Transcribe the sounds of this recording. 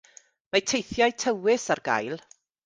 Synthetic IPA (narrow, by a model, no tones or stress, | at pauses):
majtʰejθjajtʰəwɪsarɡa̰jlˠ